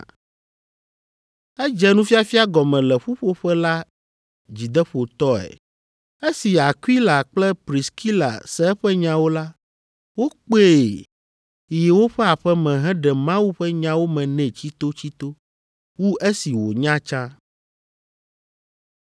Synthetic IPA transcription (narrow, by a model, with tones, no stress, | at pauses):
ɛ˦d͡ʒɛ˦nũ˦fi˦a˦fi˦a˦ɡɔ˨mɛ̃˨lɛ˨ɸu˦ɸo˦ɸɛ˦la˦ | d͡ʑi˨d̪ɛ˦ɸo˨t̪ɔ˦ɛ̰˨ | e˦si˨a˨ki˦la˨k͡plɛ˦pɾi˨skʰi˦la̰˨sɛ˦ɛ˦ɸɛ˦ɲã˦wo˦la˦ | wo˦k͡pe˦˨ | je˨wo˦ɸɛ˦a˨ɸɛ˦mɛ̃˨ɦɛ̃˦ɖɛ˨mã˦wu˦ɸɛ˦ɲã˦wo˦mɛ̃˨nɛ̃˨t͡ɕi˦t̪o˦t͡ɕi˦t̪o˦ | wu˦ʔe˦si˨wo˨ɲã˦t͡ʃã˦